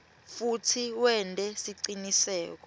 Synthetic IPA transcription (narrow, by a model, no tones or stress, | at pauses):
futʰiwɛntʼɛsiǀinisɛ̰ːk̬ɔ̥